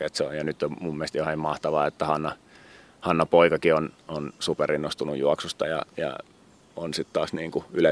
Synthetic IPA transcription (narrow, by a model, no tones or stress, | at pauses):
et̪seo̰jjɑnyt̪ːommumːieˑst̪johɑimmɑht̪ɑʋɑːet̪ːæhɑnːɑ | hɑnːɑpoikɑkiononsuperinːost̪unṵjuɑksust̪ɑjɑ̰jɑ̰ | onsit̪t̪ɑːsniːŋkuylæ